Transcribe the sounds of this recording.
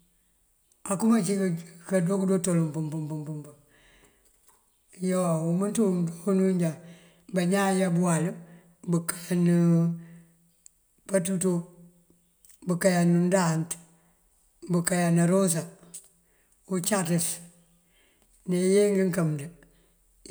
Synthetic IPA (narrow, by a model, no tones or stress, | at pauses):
akumat͡ʃikkadokdotolumpumpumpumpmbu | joumuntumdonuɲd͡ʒa | baɲajabuwal | bukḁnu | patuto | bukajanundant | bukajanaɾos̬a | ut͡ʃatis | nejeŋɡiŋkamdə